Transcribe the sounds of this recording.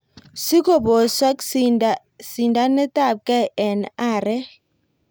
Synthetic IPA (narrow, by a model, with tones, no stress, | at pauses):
si˦ko˦˨bo˨swa˦k | si˨nda˦nɛ˦ta˦˨p̚kɛ˦ɛ˨na˦˨ɾɛ˦